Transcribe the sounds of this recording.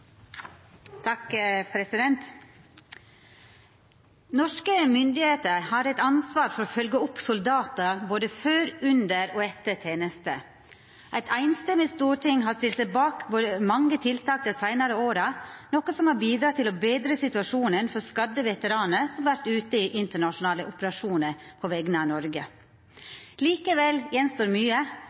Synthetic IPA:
t̪ʰɑkpʰɾɛsɪd̪ɛnt̪ | nɔʂkəmʏnd̪ɪheːt̪əɾhɑɾɛɪt̪ɑnsʋɑːɾfɔɾoːfœlɡəɔpsʊld̪ɑːt̪əboːd̪əføːɾʉnd̪əɾoːɛt̪ːəʈʰeːnəst̪ə | ʔæɪt̪ʰæɪnst̪ɛmːɪst̪uːʈɪŋɦɑst̪ɪltsæɪbɑːkboːd̪əmɑŋːət̪ʰɪlt̪ʰɑːk̚t̪əsæɪnɑɾəoːɾɑnɔkːəsɔmhɑbiːd̪ɾɑːt̪ʰɪlɔbeːd̪ɾəsɪt̪ʉɑʂuːnənfɔɾskɑd̪əʋɛt̪əɾɑːnəsɔmʋæɾt̪ʉːt̪əiʔɪnt̪əɳɑʂʊnɑːləʔʊpəɾɑʂuːnəɾpʰɔʋɛɡnəɑʋnɔɾɡə | liːkəʋɛljɛnst̪oːɾmyːə

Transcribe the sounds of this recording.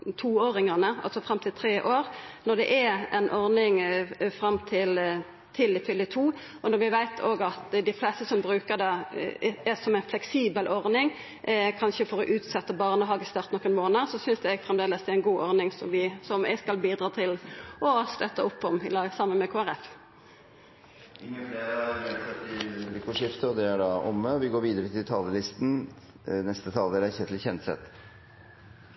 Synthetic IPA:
t̪ʰuːoːɾɪŋəʁnəɑ̰lsɔfʁɑmt̪ʰɪlt̪ʰɾeːʔoːɾnɔd̪ɛʔæɛnʔɔʁnɪŋfɾɑmːt̪ʰɪl | t̪ʰɪlɪfʏlːət̪ʰuː | ɔnɔʁʋɪʋæɪt̪ʰoːɡɑt̪d̪ɪflɛst̪əsɔmbɾʉːkəʁd̪ɑ | æsɔmæɪnflɛksiːbəlʔɔʁnɪŋ | ʔkʰɑnʃəfɔɾɔʔʉːt̪sɛt̪ːəbɑʁnəɦɑːɡəst̪ɑʁt̪nɔkːənmoːnəsɔsʏnsd̪ɛɛɡfʁɛmd̪eːləsd̪ɛæɪnɡuːʔɔʁnɪŋsɔ̰mʋɪsɔmɛɡskɑlbiːd̪ɾɑːt̪ʰɪlɔst̪œt̪ːəʊpːɔmɪlɑsɑmːənmɛkʰoːæʁɛf | ɪŋːənfleːɾəʉsɛt̪ːɪikuʂɪft̪əɔd̪ɛæɖɑʔɔmːəɔʋɪɡoːɾʋiːd̪əɾət̪ʰɪlt̪ʰɑːləlɪst̪n̩ | nɛst̪ət̪ʰɑːld̪elæçət̪ʰɪlçɛnsɛ̰t̪

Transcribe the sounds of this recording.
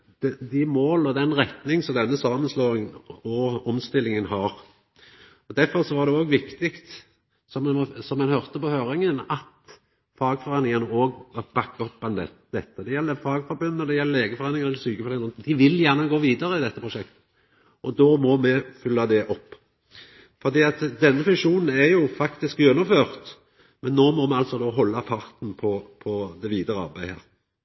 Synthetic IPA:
d̪̥ɛd̪ɪmoːlɔd̪ɛnɾɛt̪nɪŋsɔmd̪ɛnːəsɑːmənsloːɪŋənɔɔmst̪ɪlːɪŋənhɑːɾ | ɔd̪æfɔɾsɔʋɑːd̪ɛoːɡʋɪkt̪ɪkt̪ | sɔmɛnsɔmːɛnhœʁt̪əpɔhøːɾɪŋənɑt̪ | fɑːɡfɔɾeːnɪŋɑnəoːɡb̥ɑkːɔpːb̪ɑnd̪ɛ̰ | d̪̥ɛt̪ːəd̪ɛjɛlːəɾfɑːɡfɔɾbʉnːɔd̪ɛjɛlːəleːɡəfɔɾʁeːnɪŋnɛlːəsyːkəfɔɾeːnnd̪ɪʋɪljæʁnəɡoːʋiːd̪əʁəɪd̪ɛt̪ːəpʁʊʃɛkt̪ | ʔɔd̪oːmɔmɛfʏlːɑd̪ɛʔɔpː | fɔʁd̪iːɑt̪d̪ɛnːəfʉŋʂuːnn̩æɾjʊfɑkt̪ɪskʉnʊføːʁt̪ | mɛnːoːmɔmɛɑlsɔd̪oːɦɔlːɑpʰɑʁt̪n̩pʰɔpʰɔd̪ɛʋiːd̪əɾəɑ̰ʁbæɪhæ̰ːɾ

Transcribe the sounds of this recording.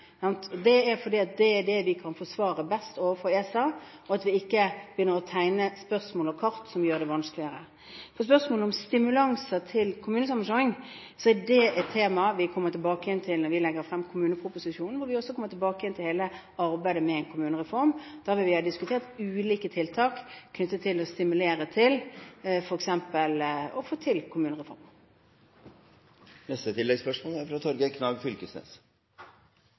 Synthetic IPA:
sɑnt̪ʰɔd̪ɛæɾfɔɾdiːɑt̪̚d̪ɛːɾɖɛʋɪkʰɑnfɔsʋɑːɾəbɛst̪oːʋəfɔɾesɑːɔɑt̪ʋɪɪkːəb̥jʏnːəɾɔt̪ʰæɪnəspœɾsmoːlɔkʰɑɾt̪sɔmjøːɾd̪ɛʋɑnsklɪəɾə̰ | fɔs̬pœʁsmoːləɔmst̪ɪmʉlɑŋsət̪ʰɪlkʰʊmʉːnəsɑmːənʂɔɪŋ | sɔɛdɛɛt̪ʰːeːmɑʋɪkʰɔmːəɾt̪ʰɪlbɑːkəjɛnt̪ʰɪlnɔɾʋɪlɛɡːəɾfɾɛmːkʰʊmʉːnəpʰɾʊpʊsɪʂuːnn̩ʋɔɾʋɪɔsːɔkʰɔmːəɾt̪ʰɪlbɑːkəjɛnt̪ʰɪlheːlə | ɑɾbæɪd̪əmɛɛnkʰʊmʉːnəʁɛfɔɾmd̪̥ɑːʋɪlʋɪhɑːd̪ɪskʉt̪ʰeːʁt̪ʉːliːkət̪ʰɪlt̪ʰɑːkːʰnʏt̪ːət̪ʰːɪlɔst̪ɪmʉleːɾət̪ʰɪlfɔɾɛksɛmpəlɔfoːt̪ʰɪlkʰʊmʉːnəʁɛfɔ̰ɾm | nɛst̪ət̪ʰɪlːɛɡspœʂmoːlæɾfɾɑt̪ʰɔɾɡəkʰnɑʋɡfʏlkəsnḛːs

